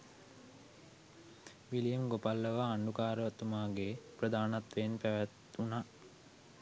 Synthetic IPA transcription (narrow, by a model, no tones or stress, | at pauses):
ʋilijemɡopalːəʋaːɳɖukaːɾət̪umaːɡeprəd̪aːnat̪ʋenpæʋæt̪una